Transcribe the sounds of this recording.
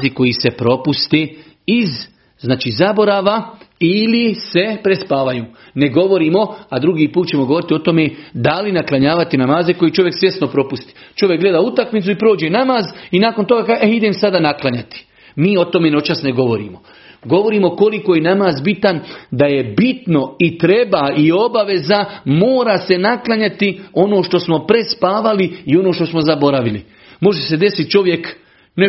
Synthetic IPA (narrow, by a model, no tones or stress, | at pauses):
ziko̞jise̞pɾo̞pust̪e | iz | znaːt͡ʃizabo̞ɾaːʋailise̞pɾespaːʋajuː | neɡo̞ʋo̞ɾiːmo̞ad̪ɾuɡiːpuːt̪̚t͡ɕe̞moɡo̞ʋo̞ɾit̪io̞t̪o̞med̪alinaklˠaɲaːʋat̪inamaːzeko̞jit͡ʃo̞ʋje̞ksʋje̞snopɾo̞pust̪i̥t͡ʃo̞ʋjekɡle̞d̪aut̪akmit̪suipɾoːd͡ʑe̞namaːzinaːko̞nt̪o̞ɡakaːeid̪emsad̪anaklˠaɲat̪i̥ | miːo̞t̪o̞me̞not͡ʃasneɡo̞ʋo̞ɾḭːmo̞ | ɡo̞ʋo̞ɾiːmo̞ko̞likoje̞namaːzbit̪and̪aje̞bit̪no̞it̪ɾe̞baio̞baʋe̞zamoːɾase̞naklˠaɲat̪io̞noːʃt̪o̞smo̞pɾe̞spaːʋaliio̞noːʃt̪o̞smo̞zabo̞ɾaʋilḭ | mo̞ʒese̞d̪e̞sit̪t͡ʃo̞ʋje̞k | ne